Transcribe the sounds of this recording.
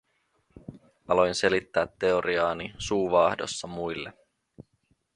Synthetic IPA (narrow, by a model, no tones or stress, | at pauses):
ɑlo̞jnse̞lit̪ːæːt̪ːe̞oɾiɑːnisuːʋɑːhdo̞̰sːɑmujlːe̞